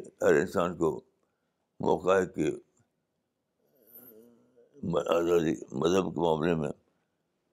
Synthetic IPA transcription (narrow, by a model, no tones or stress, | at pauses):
hɐɾɪ̰nsaːnko | mɔ̰ːkaːeke | maːzaːd̪ḭmɐzəbkemaːmlemḛ̃